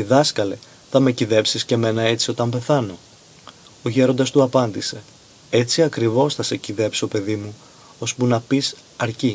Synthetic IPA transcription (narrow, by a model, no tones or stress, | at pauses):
iðɐskɐle | θɐme̞ciðe̞psisce̞me̞nɐe̞t͡sio̞t̪ɐmbe̞θɐno̞ | oçe̞ɾo̞nd̪ɐst̪uɐpɐnd̪ise̞ | e̞t͡siɐkɾivo̞sθɐseciðe̞psio̞pe̞ðimu | o̞spunɐpis | ɐɾci